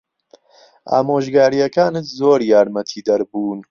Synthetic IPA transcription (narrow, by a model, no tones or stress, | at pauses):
a̰ːmoːʒɡaːɾijɐkaːnɨt̪zoːɾjaːɾmɐt̪ʰiːd̪ɐɾbuːn